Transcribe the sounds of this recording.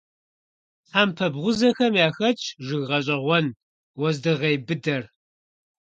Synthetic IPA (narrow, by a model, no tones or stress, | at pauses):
ħaːmpʰɐbʁʷʊzɐxɐmjaːxɐt͡ʃʰʼʒɪɣʁɐɕ̬ʼɐʁʷɔn | wɐzdɨʁejbɨdɐr